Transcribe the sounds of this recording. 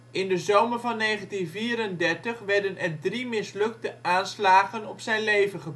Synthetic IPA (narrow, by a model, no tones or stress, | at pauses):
ɪndəzowməɹvɑnːejχəntinviːɾəndɛɹtəχʋɛɹdənɛɹdrimɪslɵk̚təʔaːnslaːχənɔpsɛjnlejvəχəb